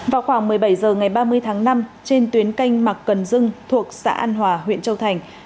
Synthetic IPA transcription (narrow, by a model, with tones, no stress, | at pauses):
vaː˨˩wxwaː˧˩ŋmɨ˨˩əjɓa˧˩jzəː˨˩ŋa˨˩jɓaː˧mɨ˧əjt̪ʰaː˨˦ŋna˧mt͡ɕe˧nt̪wi˨˦ənka˧jŋ̟ma˨˩k̚kə˨˩nzɨ˧ŋt̪ʰu˨˩ək̚sa̰ː˧˥ʔaː˧nɦwaː˨˩ɦwḭ˧˨ənt͡ɕə˧wt̪ʰa˨˩jŋ̟